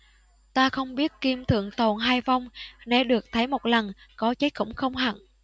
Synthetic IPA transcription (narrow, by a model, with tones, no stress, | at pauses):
t̪aː˧xə˧wŋ͡mɓi˦˥ət̚ki˧mt̪ʰɨ̰˧˨əŋt̪o̰˧˨˩nɦaː˧jva˧wŋ͡mnḛ˧˩ɗɨ˨˩ək̚t̪ʰə˨˦jmo˨˩t̚lə˨˩nkɔ˨˦t͡ɕə˦˥j̚xʊ̰˧˥˩wŋ͡mxə˧wŋ͡mɦa̰˧˨n